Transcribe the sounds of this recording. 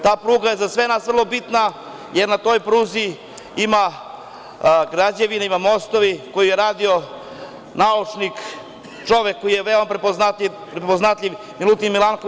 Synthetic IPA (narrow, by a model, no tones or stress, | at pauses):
t̪aːpɾuːɡajezasʋenaːsʋr̩lˠo̞bit̪na | jeɾnat̪o̞ːjpɾuːzi | ima | ɡɾad͡ʑeʋinaimamo̞st̪oʋiko̞jijeɾaːd̪io̞ | naut͡ʂnik | t͡ʃo̞ʋekːojijeʋeomapɾepoznat̪i | pɾepoznat̪ʎʲiʋ | milut̪inmilˠanko